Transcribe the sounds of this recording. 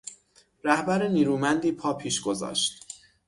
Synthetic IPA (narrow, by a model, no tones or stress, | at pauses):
ɾæhbæɾeniːɾuːmænd̪iːpʰɒːpʰiːʃɡo̞zɒ̰ːʃt̪